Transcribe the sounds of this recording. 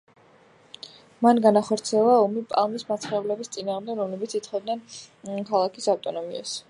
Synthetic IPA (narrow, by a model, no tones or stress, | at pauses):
manɡanaχɔɾt̪sʰiɛlˠaɔmipʼalˠmismat̪sʰχɛvlɛbist̪sʼinaːʁmd̪ɛɡɾɔmlɛbit̪sʰit̪sʰχɔd̪nɛnkʰalˠakʰisaft̪ʼɔnɔmia̰s